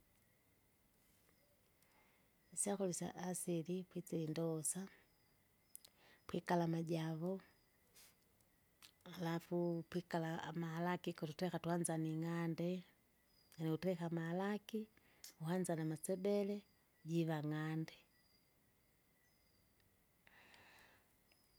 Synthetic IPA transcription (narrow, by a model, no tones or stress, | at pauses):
siakɔlisa̰ʔːsilipwit͡silindɔsa | pwikalamaɟaβɔ | alafupwikalamahalakikɔtutɛkatuhand͡ʒaniŋandɛ | ŋaniutɛkamahalaki | uɦand͡ʒanamat͡sɛbɛlɛ | ɟiβaŋandɛ